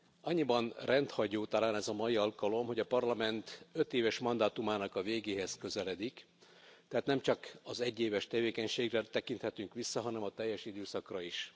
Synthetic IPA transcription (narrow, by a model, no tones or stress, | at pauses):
ɒɲːibɒnrɛnt̪hɒɟoːt̪ɒlaːnɛzɒmɒjiɒlkɒlo̞mɦo̞ɟɒpɒrlɒmɛnt̪ø̞t̪eːvɛʃmɒnd̪aːt̪umaːnɒkɒveːɡeːɦɛzkø̞zɛlɛd̪ik | t̪ɛɦaːt̪nɛmt͡ʃɒkɒzɛɟːeːvɛʃt̪ɛveːkɛɲʃeːɡrɛt̪ɛkint̪hɛt̪yŋkʋisːɒɦɒnɛmɒt̪ɛjːɛʃid̪øːsɒkrɒiʃ